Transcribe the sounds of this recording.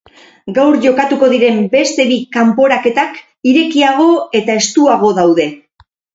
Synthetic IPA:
ɡawɾʝo̞kat̪uko̞ðiɾe̞mbe̞st̪e̞βikampo̞ɾake̞t̪ak | iɾe̞kiaɣ̞o̞e̞t̪ae̞st̪uaɣ̞o̞ðawðe̞

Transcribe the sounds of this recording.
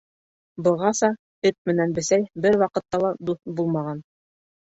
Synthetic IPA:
bɤ̆lˠʁɑsɑ | ɘp̪̚mɘ̆nænbɘ̆sæjbɘɾwɑqɤ̆t̪ːɑlˠɑd̪uθbulˠmɑʁɑn

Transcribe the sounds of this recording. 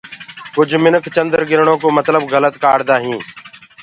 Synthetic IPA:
kʊd͡ʒʱmɪnəkʰt͡ʃənd̪əɾɡɪɾɳõːkoːmət̪ləbɣələt̪kaːɽd̪aːɦĩː

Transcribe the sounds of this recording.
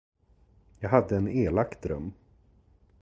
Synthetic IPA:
jɑːɡɦad̪ːəɛneːlakt̪ɾɵ̰mː

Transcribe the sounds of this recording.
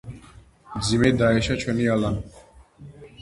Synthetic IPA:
md̪zimɛd̪aɛʃat͡ʃʰwɛnialani

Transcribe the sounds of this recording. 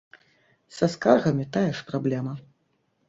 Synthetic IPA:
sɐskarɣɐmʲit̪ajɛʂpɾablʲɛmɐ

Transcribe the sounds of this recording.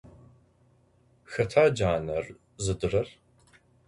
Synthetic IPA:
xɐtʰaːd͡ʒaːnɐr | zɨdɨrɐr

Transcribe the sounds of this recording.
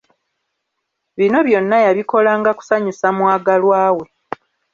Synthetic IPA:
βino̞βjo̞nːajaβiko̞laːŋɡaku̥saɲisamwaːɡalwaːwe̞

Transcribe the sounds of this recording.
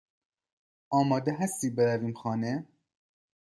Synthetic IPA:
ʔɒːmɒːd̪eɦæst̪iːbeɾæviːmxɒːne

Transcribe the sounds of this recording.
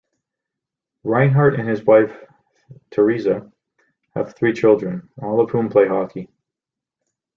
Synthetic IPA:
ɹãɪ̃nɦɑɹɾɨ̃nɨzwaɪf | tʰə˞izɨ | ɨ̰v̥θɹit͡ʃʰɪlˠdɹɨ̃nɔlˠʌv̥hũmpʰl̥eɪhɑkʰi

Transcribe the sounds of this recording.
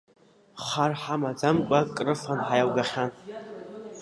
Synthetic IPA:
χarħamad͡zamkʷʼakʼrɨfanħajawɡaχʲan

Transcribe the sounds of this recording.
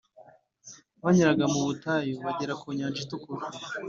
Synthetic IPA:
βaɲiɾaɡamuβutajoβaɟeɾakʰuɲaːnd͡ʒitukuɾa

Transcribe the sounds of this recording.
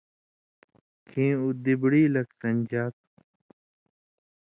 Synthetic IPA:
kʰĩːud̪ɪbɽiːlɐkt̪ɐnʲd͡ʑaːt̪̚

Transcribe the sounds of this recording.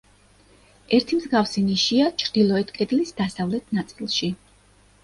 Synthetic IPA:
ɛɾt̪ʰimzɡafsiniʃiat͡ʃʰɾd̪̥ilˠɔɛt̪ʰkʼɛd̪lisd̪asavlɛt̪ʰnat̪sʼilˠʃi

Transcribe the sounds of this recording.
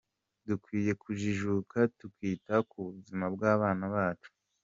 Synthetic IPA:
dukwiːje̞kʰuʒiʒukatukwiːtakuβuzimabɡaːβaːnaβaːt͡ʃu̥

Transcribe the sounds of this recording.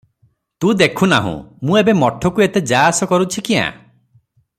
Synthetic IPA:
t̪ũd̪ekʰuna̰ɦṵ̃mũebemɔʈʰɔkuet̪ed͡ʒaasɔkɔɾut͡ʃʰikiã̰

